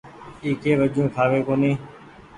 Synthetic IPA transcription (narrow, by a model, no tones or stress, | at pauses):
iːkeːʋəd͡ʒʱũːkʰaːʋeːkoːneː